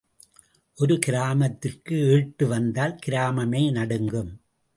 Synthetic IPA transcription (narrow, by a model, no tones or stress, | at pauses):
ʔɔɾɯkɪɾaːmɐt̪ːɪrkɯeɻʈːɯʋɐnd̪aːlkɪɾaːmɐmeːnɐɽɯŋɡɯm